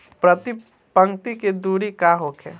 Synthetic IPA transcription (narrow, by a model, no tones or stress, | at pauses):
pɾət̪ɪ | pə̃ŋt̪iked̪uːɾikaɦoːkʰɛ̰ː